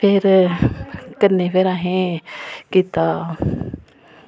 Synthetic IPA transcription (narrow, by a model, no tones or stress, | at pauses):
pʰɪɾ | kənːeːpʰeɾãːɦẽːkiːt̪aː